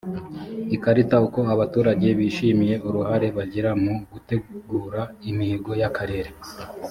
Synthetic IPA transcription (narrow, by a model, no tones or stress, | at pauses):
ikaɾitauko̞aβatuːɾaɟe̞βiːʃiːmije̞uɾuhaɾe̞βaɟiɾamuɡute̞ɡuːɾaimiːɡo̞jakʰaɾe̞ːɾe